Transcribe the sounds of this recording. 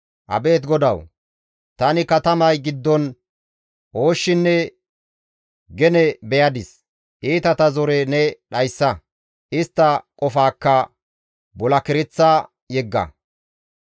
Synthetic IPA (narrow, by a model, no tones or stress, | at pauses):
ʔɐ̰be̞ːt̪̬ɡɔd̪ɐw | t̪ɐnɪkɐt̪ɐmɐjɡɪd̪ːɔn | ʔo̞ːʃːɪnːɛ | ɡɛnɛbɛjɐd̪ɪs | ʔiːt̪ɐt̪ɐzɔɾɛnɛɗɐjsːɐ | ʔɪst̪ːɐkʼɔfaːkːɐ | bɔlɐkɪɾɪt͡sːa | jɛɡːɐ̰